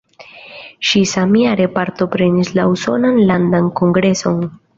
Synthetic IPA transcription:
ʃisamiaɾe̞paɾto̞pɾe̞nislauso̞̰nanlandanko̞ŋɡɾe̞so̞n

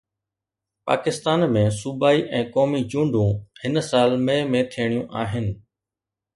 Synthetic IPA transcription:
pa̰ːkɪst̪aːnmẽːsubaːiʔɛ̃ːkɔːmid͡ʑũːɳɖʱũhɪnsaːlməjmẽt̪ʰiɽ̃ijũʔaːɦɪnɪ̆

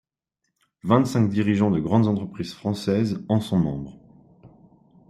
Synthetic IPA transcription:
vɛ̃t̪sɛ̃kd̪iʁiʒɑ̃d̪əɡʁɑ̃d̪zɑ̃t̪χəpχizfχɑ̃sɛzɑ̃sɔ̃mɑ̃bʁ

